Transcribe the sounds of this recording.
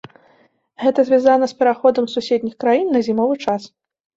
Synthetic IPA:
ɣɛt̪ɐzʲvʲazanɐspʲɛɾaxɔd̪ɐmsusʲed̪ʲnʲixkɾajinːɐzʲimɔvɨt͡ʂas

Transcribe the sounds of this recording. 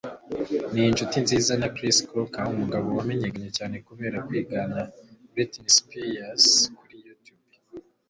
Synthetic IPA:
nijinʃutinziːzanakɾiskʰokaːhumuɡaβo̞wame̞ɲekaɲecaːne̞kuβe̞ːɾakwiːɡanabɾetnispejaskuɾijutjub

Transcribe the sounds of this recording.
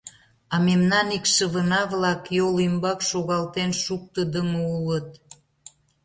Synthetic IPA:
ɑmemnɑnikʃəβənɑβlɑkjolimbɑkʃoɣɑlt̪enʃuk̚t̪əd̪əŋəulət̪

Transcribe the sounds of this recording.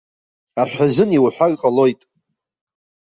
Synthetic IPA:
aħʷᶣazɨniwħʷᶣaɡqʼalo̞jtʼ

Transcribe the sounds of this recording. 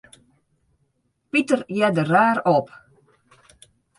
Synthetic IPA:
pitərjɛdəraːɾɔp

